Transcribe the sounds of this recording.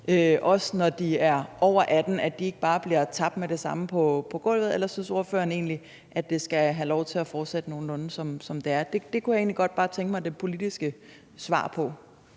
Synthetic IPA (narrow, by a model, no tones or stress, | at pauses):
øʔɒ̽snɒd̥iæɐʔɒʊ̰ɐʔæd̥n̩ædd̥ie̝ɡ̥əb̥ɑ̈ːb̥liɐt͡sʰɑ̈b̥̚d̥meɾ̥e̝sɑ̈məpʰɒ̽pʰɒ̽ɡ̥ɔ̽l̰ʋð̩ˠelɐsynso̝ɐfø̰ːɐne̝̰ːnli | ʔæ̥d̥e̝sɡ̥æɦælɒʊt͡sʰe̝læfɒːd̥sed̥əno̝ːn̩ɔ̽nn̩sɒ̽msɒ̽md̥e̝æɐd̥e̝d̥e̝kʰujɑe̝ːnliɡ̥ɒ̽d̥̚b̥ɑ̈ːt͡sʰeŋɡ̥əmɑɪd̥e̝pʰo̝lid̥isɡ̥ə | sʋɑ̰̈ːpʰɒ̽